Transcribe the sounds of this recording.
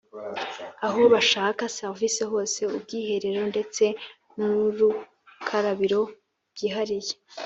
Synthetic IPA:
aɦo̞βaʃaːkaseɾviseɦo̞ːse̞ub̚ɡiːhe̞ɾe̞ɾo̞nde̞t͡se̞ | nuɾu | kʰaɾaβiɾo̞ | bɡ̥iːɦaɾije

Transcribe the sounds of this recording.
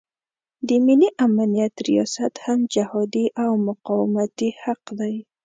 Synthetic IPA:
d̪əmɪliʔamanijat̪ɾijɑsat̪hamd͡ʒahɑd̪iʔawmʊqɑwɪmat̪ihaqd̪aj

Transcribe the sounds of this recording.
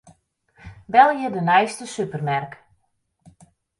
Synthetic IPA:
bɛlˠjədənɛjstəsypərmɛrk

